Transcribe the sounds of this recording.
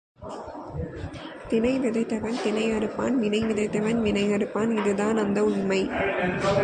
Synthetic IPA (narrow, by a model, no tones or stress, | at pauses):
t̪ɪnɐɪʋɪðɐɪt̪ːɐʋɐnt̪ɪnɐɪɐɾɯpːa̰ːnʋɪnɐɪʋɪðɐɪt̪ːɐʋɐnʋɪnɐɪɐɾɯpːaːnɪðɯðaːnɐnd̪ɐʊɳmɐɪ